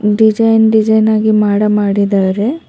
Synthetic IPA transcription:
ɖid͡ʒɐjnɖid͡ʒɐjnaːɡimaːɽɐmaːɽid̪aːɾe

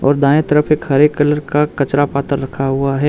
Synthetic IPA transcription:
ɔ̰ːɾd̪ãːẽt̪əɾəpʰeːkɦɐɾeːkːələɾkakɐt͡ʃɾapaːt̪əɾːɐkʰaɦʊaɦɛː

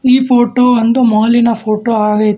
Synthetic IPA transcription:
iːpʰoːʈoːɐnd̪umɔɦɐlːinɐpʰoːʈoːaːɡɐjt̪

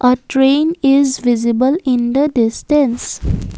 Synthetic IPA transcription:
ʔəʈɾẽːnɪzʋɪzɪbəlɪ̃nd̪əɖɪsʈə̃ns

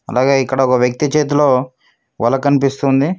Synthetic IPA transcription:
ɐ̰laːɡe̞ːikːɐɽɐɔkɐʋjɐk̚t̪it͡ʃeːt̪̬ulo̞ː | ʋɐ̰lːɐkɐnipist̪und̪i

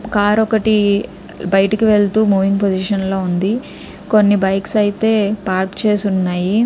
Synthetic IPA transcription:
kaːɾɔkɐʈi | bɐjɐʈikiʋe̞ɭt̪uːmuːʋiŋɡ̚pod͡ʒiʃɐnlo̞ːund̪i | ko̞nːibɐjksɐjit̪e̞ːpaːɾkt͡ʃe̞ːsunːaːji

